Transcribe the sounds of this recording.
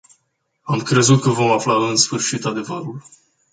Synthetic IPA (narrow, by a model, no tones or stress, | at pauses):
amkɾe̞zut̪̚kəvo̞maflaɨnsfɨrʃit̪ad̪e̞vəɾul